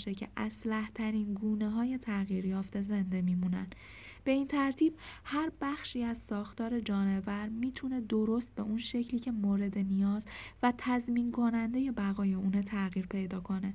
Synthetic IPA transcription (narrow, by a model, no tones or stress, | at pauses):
ʃecʰe̞̰ʔæslæht̪ʰæɾiːnɡuːne̞ɦɒːje̞t̪ʰæɣiːɾjɒːft̪e̞ze̞nd̪e̞miːmunæ̰n | b̥e̞iːnt̪ʰæɾt̪ʰiːb̥̚hæɾbæxʃiːæzsɒːxt̪ɒːɾe̞d͡ʒɒːne̞væɾmiːt̪ʰune̞d̪oɾo̞st̪̚be̞̰ʔunʃe̞cʰliːcʰe̞moːɾe̞d̪e̞nijɒːzvæt̪ʰæzminkʰo̞nænd̪e̞je̞bæɣɒːje̞uːnet̪ʰæɣiːɾpʰe̞jd̪ɒːkʰo̞ne̞